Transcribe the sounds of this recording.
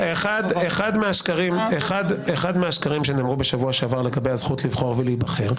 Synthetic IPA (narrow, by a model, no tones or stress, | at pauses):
eχad̪eχad̪meaʃkaʁimeχad̪eχad̪meaʃkaʁimʃeneːmʁube̞ʃavuaʃavaʁleɡabe̞jhazχutlivχo̞ʁveliiːbaχe̞ʁ